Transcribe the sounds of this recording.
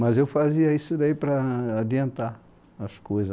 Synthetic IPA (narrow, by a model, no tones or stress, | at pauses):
mazefaziaisidaipɾaadiant̪a | asu̥kueza